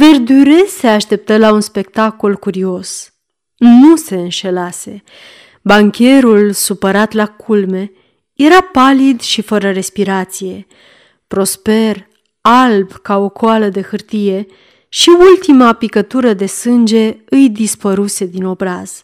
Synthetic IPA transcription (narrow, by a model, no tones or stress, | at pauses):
ve̞rd̪yɾe̞se̞aʃt̪e̞p̚t̪əlaunspe̞kt̪ako̞lkuɾio̞s | nuse̞ɨnʃe̞lase̞ | baŋkʲe̞ɾulsupəɾat̪lakʰulme̞ | je̞ɾapalid̪ʃifəɾəɾe̞spiɾat̪sije̞ | pɾo̞spe̞r | albkao̞kʰoaləd̪e̞xɨrt̪ije̞ | ʃiult̪imapikət̪uɾəd̪e̞sɨnd͡ʒe̞ɨjd̪ispəɾuse̞d̪ino̞bɾaz̥